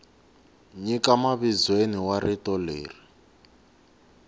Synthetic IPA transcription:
ɲikamaβizweniwaɾitɔlḛːri

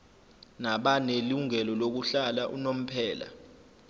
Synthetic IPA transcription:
naɓaneluŋɛlɔlok̬uɬalaʔṵnom̩pʰɛːla̰

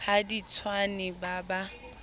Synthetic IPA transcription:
hadit͡sʰwanɪbaba

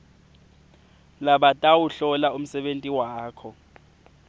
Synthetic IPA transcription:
laɓatʼawuɬɔlaum̩sɛɓentʼiwaːkʰɔ

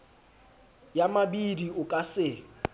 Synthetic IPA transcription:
jamabidiʊkʼasɪ

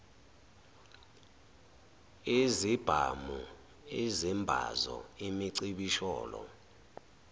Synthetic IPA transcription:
ezib̥ʱamu | ezimbʱa̰zɔimiǀiɓiʃɔːlɔ

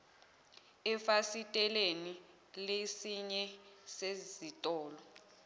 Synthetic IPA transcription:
ɛfasitʼɛleni | lesiɲɛsezitʼɔːlɔ

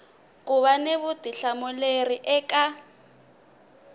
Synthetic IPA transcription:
kuβaneβud̥ʱiɬamuleriʔɛka

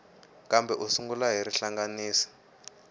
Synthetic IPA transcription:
kambɛʔusuŋɡulaɦiɾiɬaŋɡaniːsi̥

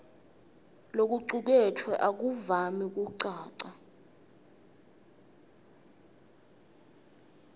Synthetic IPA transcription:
lok̬uǀuk̬ɛtʰwɛʔak̬uvamik̬uǀaːǀa

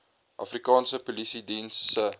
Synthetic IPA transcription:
ʔɐ̰frikɑːnsəpulisidinsə

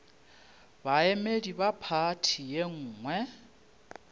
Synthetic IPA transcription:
baemediβapʰatʰijeŋ̩ːŋwɛ

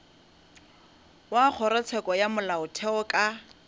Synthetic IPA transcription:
wak͡xʰɔɾɛt͡sʰɛkʼɔjamʊlaʊtʰɛɔkʼa

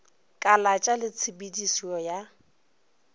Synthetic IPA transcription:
kʼalat͡ʃʼalɪt͡sʰɪbidisiɔja

